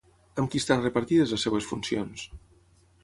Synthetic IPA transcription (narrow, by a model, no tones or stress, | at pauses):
amkist̪anrepaɾt̪iðɐzɐsːeβɐsfunsjons